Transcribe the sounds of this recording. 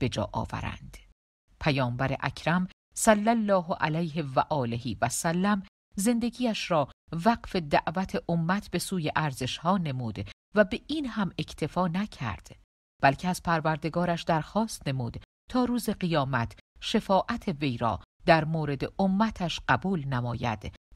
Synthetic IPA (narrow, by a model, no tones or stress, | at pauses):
b̥e̞d͡ʒɒ̰ːʔɒ̰ːvæ̰ɾæ̰nd̪̥ | pʰæjɒːmbæɾḛʔæcʰɾæm | sælːælːɒːɦʔælæjɦe̞væʔɒːleɦiːvæsælːæm | ze̞nd̪e̞ɡiːjæʃɾɒː | væqfed̪æʔvæt̪ʰe̞ʔomːæt̪ʰbe̞suːjeʔæɾze̞ʃhɒːne̞muːd̪ | væbe̞ʔiːnhæme̞cʰt̪ʰe̞fɒːnæcʰæ̰ɾd̪̥ | b̥ælcʰeæz̥pʰæɾvæɾd̪e̞ɡɒːɾæʃd̪æɾxɒːst̪ne̞muːd̪ | t̪ʰɒːɾuːze̞ɣijɒːmæt̪ʰʃe̞fɒːʔæt̪ʰeve̞jɾɒ̰ː | d̪̥æɾmoːɾe̞d̪eʔomːæt̪ʰæʃɢæbuːlnæmɒːjæ̰d̪̥